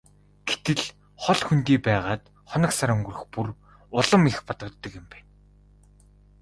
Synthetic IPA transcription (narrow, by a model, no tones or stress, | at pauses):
ɡ̥et̪ɘ̆ɮ | χɔɮxunt̪iːpæːʁaːt̪ | χɔnə̆ksaɾɵŋɡɵ̆rɵɘ̆xpur | ʊɮə̆mixpɔt̪ɞ̆kt̪ːɞ̆kjɪ̆mpæːn